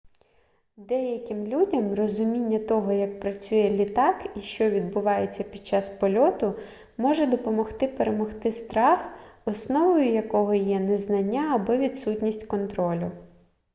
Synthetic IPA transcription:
d̪ɛjɐkʲɪmlʲudʲɐmrɔzʊmʲinʲːɐt̪ɔɦɔjɐk̚pɾɐt͡sʲujɛlʲit̪ɑkiʃt͡ʃɔʋʲid̪̚bʊʋɑjet͡sʲːɐpʲid̪̚t͡ʃɑspɔlʲɔt̪ʊ | mɔʒɛd̪ɔpɔmɔxt̪ɪpeɾemɔxt̪ɪst̪ɾɑxɔsnɔʋɔjʊjɐkɔɦɔjɛnɛznɐnʲːaːbɔʋʲid̪sutʲnʲisʲtʲkɔnt̪ɾɔlʲʊ

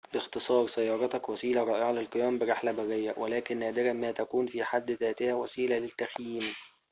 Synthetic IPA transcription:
bɪxt̪ɨsˤɑːɾˤsæjːɑːɾˤɑt̪ɑkwæsiːlæɾˤɑːʔeʕalelqɨjæːmbɪɾeħlæbæɣejːæwʔelæːkɪnːæːd̪ɪɾæmæːt̪ækuːnfiːħad̪ːðæːt̪ɪhæwæsiːlælɪt̪ːæxjiːm

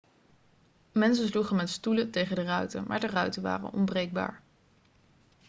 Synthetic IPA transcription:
mɛns̬əsluχənmɛtstulətejχəndərœɥtə̰mʔaːɹdərœɥtəʋa̰ːrə̰nɔ̰mbrejɡ̚ba̰ːɹ

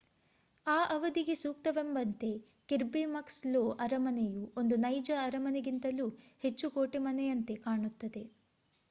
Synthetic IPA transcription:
aːʔɐʋɐd̪iɡe̞suːkt̪ɐʋembɐnt̪e̞ | kiɾbimɐksloːʔɐɾɐmɐnejuo̞nd̪unɐjd͡ʒɐːɾɐmɐneɡint̪ɐluː | het͡ʃːukoːʈemɐnejɐnt̪e̞kaːɳut̪ːɐd̪e̞

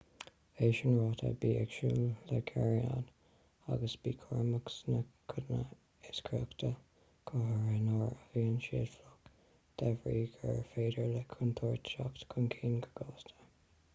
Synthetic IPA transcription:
eːʃənɹɑːtʰə̰biːɛkʃuːllɛkʰɛɹiad̪ | aɡəsb̥iːkʰɔɹməksnəkʰʊdnə | ɪskʰɹɔkt̪ʰə | kʰɑɦəɹɛnɑɹəviːənʃeːd̥flɔk | d̪̥ɛvɹiːɡəɹfeːdəɹlɛkʰʊnt̪ʰɔɹt̪ʃakt̪kʰʊnkʰiːnɡə̥ɡɔːst̪ʰə̥

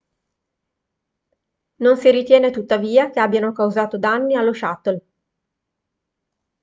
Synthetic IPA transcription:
nonsiɾit̪jɛːnet̪ut̪ːaviːakeabːjanokawzaːt̪od̪anːialːoʃat̪ːol

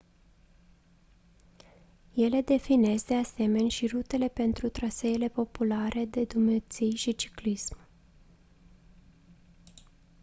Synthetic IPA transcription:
je̞le̞d̪e̞fine̞sd̪e̞ase̞me̞nʲʃirut̪e̞le̞pe̞nt̪ɾut̪ɾaseile̞po̞pulaɾe̞d̪e̞d̪umnet̪sijʃit͡ʃi̥klism

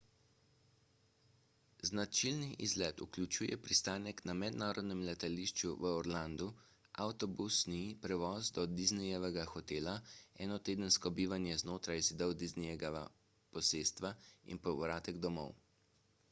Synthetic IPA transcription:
znat͡ʃilniʔḭzlɛt̪uklʲut͡ʃuːjɛ̰pɾist̪aːnɛknamɛd̪naːɾɔd̪nɛmlɛt̪aliʃt͡ʃuʋəɔɾland̪u | ʔawt̪ɔbusnipɾɛʋɔːzd̪ɔd̪iznɛjɛʋɛɡaxɔt̪eːlaɛːnɔt̪eːd̪ənskɔbiːʋanjɛznoːt̪ɾajzid̪əwd̪iznɛjɛɡaʋa̰ | pɔseːst̪ʋaḭnpɔʋɾaːt̪ɛɡd̪ɔmɔ̰w

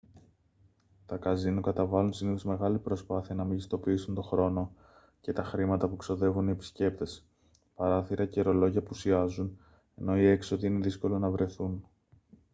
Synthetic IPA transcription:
t̪ɐkɐzinukɐt̪ɐvɐlunsiniθo̞zme̞ɣɐlipɾo̞spɐθiɐnɐmiʝist̪o̞piisunt̪o̞xɾo̞no̞ | ce̞t̪ɐxɾimɐt̪ɐpukso̞ðe̞vuniepi̥sce̞p̚t̪e̞s | pɐɾɐθiɾɐceɾo̞lo̞ʝɐpusiɐzun | e̞̰no̞ie̞ksot̪iine̞ðisko̞lonɐvɾe̞θun

